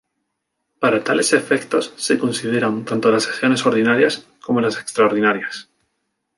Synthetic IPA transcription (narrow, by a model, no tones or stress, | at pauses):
paɾat̪ale̞se̞fe̞kt̪o̞sːe̞ko̞nsið̞e̞ɾant̪ant̪o̞lasesjo̞ne̞so̞ɾðinaɾjas | ko̞mo̞lase̞kst̪ɾaoɾðinaɾjas